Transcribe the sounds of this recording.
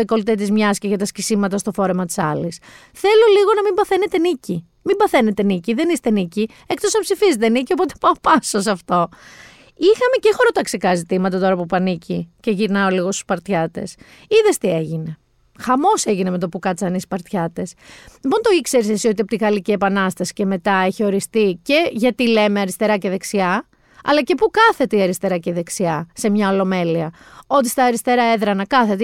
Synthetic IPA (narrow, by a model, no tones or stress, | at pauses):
eko̞lt̪et̪̬izmɲɐsceʝɐt̪ɐscisimɐt̪ɐst̪ofo̞ɾe̞mɐt̪i̥sɐlis | θe̞lo̞liɣo̞nɐmimbɐθe̞ne̞t̪e̞nici | mimbɐθe̞ne̞t̪e̞niciðe̞nist̪e̞nici | ek̚t̪o̞sɐpsifizet̪enicio̞po̞t̪e̥pɐopɐsos̬ɐft̪o̞ | ixɐme̞cexo̞ɾo̞t̪ɐksekɐzit̪imɐt̪ɐt̪o̞ɾɐpupɐnicʰice̞ʝiɾnɐo̞liɣo̞st̪u̥spɐɾt̪çɐt̪e̞̰s | iðest̪ie̞ʝine̞ | xɐmo̞se̞ʝineme̞t̪o̞pukɐt͡sɐnispɐɾt̪çɐt̪e̞slipo̞nt̪o̞ikse̞ɾisesio̞t̪iɐpot̪iɣɐlicie̞pɐnɐst̪ɐsi̥ce̞me̞t̪ɐe̞çio̞ɾist̪ice̞ʝɐt̪ile̞meɐɾist̪e̞ɾɐceðe̞ksiɐ | ɐ̰lɐce̞pukɐθe̞t̪e̞iɐɾist̪e̞ɾɐceðe̞ksiɐse̞mɲɐo̞lo̞me̞liɐ | o̞t̪̬ist̪ɐːɾist̪e̞ɾɐe̞ðɾɐnɐkɐθe̞t̪e